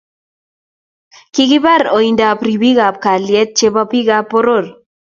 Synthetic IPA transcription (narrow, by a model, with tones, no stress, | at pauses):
ki˦ɡɪ˦ba˦ɾo˨i˨nda˨pɾi˨bi˦ɡa˨p̚ka˨ljɛ˦t̪̚t͡ʃe˦ba˦pi˦ɡa˦pːo˦ɾo˦˨ɾ